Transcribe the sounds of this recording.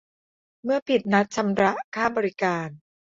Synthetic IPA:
mɯ˥˩ɐpʰi˨˩t̪̚na˦˥t̪̚t͡ɕʰa˧mɾa˦˥ʔkʰaː˥˩bɔː˧ɾi˦kaː˧n

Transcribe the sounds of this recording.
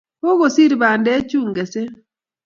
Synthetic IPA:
ho˦ɣo˨si˦ɾi˨ba˨ndɛ˦t͡ʃu˦ŋɡɛ˨se˦

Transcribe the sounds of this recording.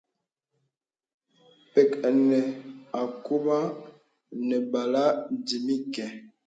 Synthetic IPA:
pɛ˨ka˨nɛ˨a˨ku˦ba˦ | nɛ˨ba˨la˦di˨mi˦kɛ˨

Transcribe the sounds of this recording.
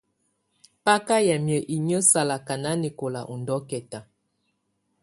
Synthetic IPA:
pa˦ka˦jɛ˨mjə˨ʔi˨ɲə˦sa˨la˨ka˨na˦ni˨ko˨la̰˨ʔu˨ndɔ˦kɛ˨ta˨

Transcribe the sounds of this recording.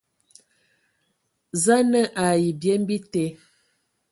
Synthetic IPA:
za˦nə˦ʔa˨ji˨bjɛ˦m˦bi˦te˨˦

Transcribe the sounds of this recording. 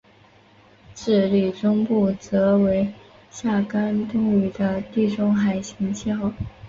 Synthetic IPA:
ʈ͡ʂɻ̩˥˩li˨˩ʈ͡ʂʊ˥ŋpu˥˩t͡sɤ˧˥we˧˥ɪ | ɕja˥˩ka˥nt̪ʊ˥ŋy˨˩d̪ə˧t̪i˥˩ʈ͡ʂʊ˥ŋxa˨˩ɪɕi˧˥ŋt͡ɕʰjɑ˥˩ʊ

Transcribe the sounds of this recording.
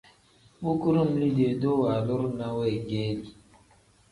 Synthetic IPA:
bu˦ku˦ɾu˦˨m˨li˦de˨do˦wa˨lu˦ɾna˦wɛ˦˨ɡɛ˦li˨

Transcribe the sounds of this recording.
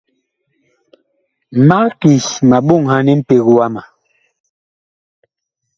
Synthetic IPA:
ma˦ki˨sma˨ɓo˦˨ŋha˦nɛ˦m̩˦pe˨ɣu˦wa˦ma˨

